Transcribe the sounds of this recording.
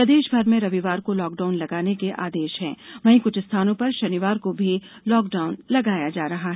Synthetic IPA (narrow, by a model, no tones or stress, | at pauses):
pɾɐd̪eːʃbʱɐɾmẽɾɐʋiʋaːɾkolɔːkɖaːʊnlɐɡaːnekeʔa̰ːd̪eːʃɦɛ̰̃ːʋɐɦĩkʊt͡ʃʰɪst̪ʰaːnõpɐɾʃɐniʋaːɾkobʱi | lɔːkɖaːʊnlɐɡaːjad͡ʒaːɾɐɦaɦɛː